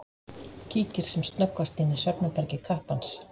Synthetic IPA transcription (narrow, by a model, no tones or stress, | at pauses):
cʰiːcɪɾ̥sɛmst̪nœkvast̪iːnɪsœɾp̪napɛɾcɪkʰahpans